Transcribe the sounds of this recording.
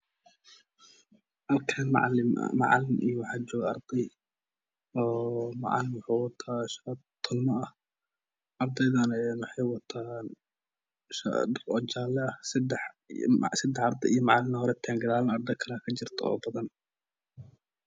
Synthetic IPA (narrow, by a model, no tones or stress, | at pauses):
ʔɐlkʰɐnʕɪ̰mɑ̰ʕɑ̰lɪmʔijɔwɑħɑːd͡ʒɔːɣɐɐ̰rd̪ɛj | ɔːmɑʕɑ̰lɪmwʊħuːwɑt̪ʰaːʃɐt̪ʰːɔlmɐɐh | ʔɐrd̪ɛjðɐnɛnwɑħɑjwɐt̪ʰaːn | ʃɐ̰drɔt͡ʃaːlɛɐhsd̪ɛħ | sɐd̪ɛħɑɾd̪ɛ̰ijɔmɑʕɑlɪmnɐhɔɾɛt̪ʰaːŋɡɐðaːlɐnɐrd̪ɛjkʰɐlakʰɐt͡ʃɪrt̪ʰɐɔ̰ːbɐðɐn